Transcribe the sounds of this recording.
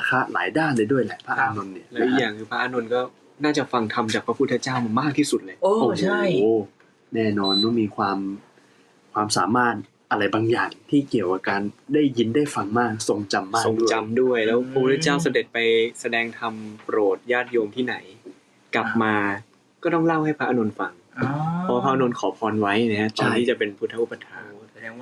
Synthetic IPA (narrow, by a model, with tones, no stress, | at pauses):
a˧˥kʰa˦˥ʔla̰ː˩˦jdaː˥˩nlɤː˧jdu˥˩əjlaː˨˩˦jpʰa˦˥ʔaː˧no˧nːi˦˥˩ɐlɛ˦ʔi˨˩jaː˨˩ŋkʰɯː˧pʰa˦˥ʔaː˧˩no˧nkɔː˥˩ | naː˥˩t͡ɕa˨˩fa˧ŋt̪ʰa˧mt͡ɕaː˨˩k̚pʰa˦pʰu˦˥t̪ʰːa˧˥t͡ɕaː˥˩wma˧maː˥˩k̚t̪ʰiː˥˩su˨˩t̪̚lɤː˧˩joː˧o˧t͡ɕʰa˥˩j | nɛː˥˩nɔː˧nmwa˥˩miː˧kʰwaː˧m | kʰwaː˧msaː˩˦maː˥˩t̪̚ | ʔa˧ɾa˧jbaː˧ŋjaː˨˩ŋt̪ʰiː˥˩ki˨˩əwʔaː˨˩kaː˧ndaː˥˩jːi˧ndaː˥˩jfa˧ŋmaː˥˩k̚so˨˩ŋt͡ɕa˧mːaː˥˩˨t͡ɕa˧mdu˥˩əjlɛː˦˥wpʰu˧ɾiː˥˩t͡ɕaː˥˩ws̬a˧de˨˩t̪̚pa˧jsa˧dɛː˧ŋt̪ʰa˧mpɾoː˨˩t̪̚jaː˥˩t̪̚joː˧mt̪ʰiː˥˩na˩˦j | kla˨˩p̚maː˧ | kɔː˥˩t̪ɔ˥˩ŋla˥˩wha˥˩jpʰa˦˥ʔa˧no˧nfa˧ŋpʰɔː˧pʰa˦˥ʔno˧nkʰɔː˩˦pʰɔː˧nwa˦˥jna˦˥a˦˥t̪ɔ˧nʰ˩iː˥˩t͡ɕa˨˩pe˧npʰu˦˥t̪ʰːa˦˥ʔu˧˩pːa˧t̪ʰaː˩˦msa˧dɛː˧ŋwaː˥˩